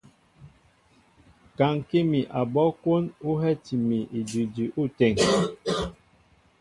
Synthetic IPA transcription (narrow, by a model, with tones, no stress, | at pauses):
ka˨ŋ˨ki˦mi˨ʔa˨bɔ˦kwo˦nu˦ɦɛ˦ti˨mi˨ʔi˨di˨di˨ʔu˦˨tɛ˦˨ŋ